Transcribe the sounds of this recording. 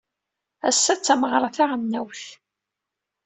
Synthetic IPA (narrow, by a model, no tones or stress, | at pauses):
æ̰sːæt͡sːæməʁɾˤɑθaʁnːæwθ